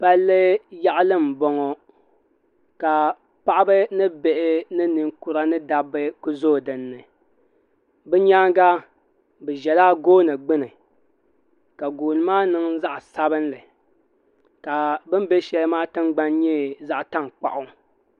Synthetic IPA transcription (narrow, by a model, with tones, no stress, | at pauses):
pa˦lːɨ˦ja˦ʔlɨ˦m˨bɔ˦ŋɔ˦ | ka˨ | pa˦ʔa˦bɨ˦nɨ˦be˨ʔɪ˦nɨ˦nɨ˨ŋku˦ɾa˦nɨ˦da˨bɨ˦ku˦zo˦˨dɨ˨nːɨ˨ | bɨ˦ɲa˦ŋɡa˦ | bɨ˨ʒɛ˨laː˦ɡoː˦nɨ˨ɡ͡bɨ˦nɨ˨ | ka˨ɡoː˨nɨ˨maː˦nɨ˨ŋza˦ʔsa˦bɨ˦nlɨ˨ | ka˨bɨ˦m˦be˦ʃɛ˦lɨ˦maː˦tɨ˦ŋɡ͡ba˦nɲɛ˦za˦ʔta˦˨ŋk͡pa̰˨ʔʊ˦